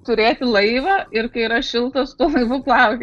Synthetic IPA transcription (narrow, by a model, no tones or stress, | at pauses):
t̪ʊɾʲeːt̪ʲɪlˠɐɪʋɐɪrkɐɪiɾɐʃʲɪlˠt̪ɐst̪oːlˠɐɪʋʊplˠɐʊkʲɛ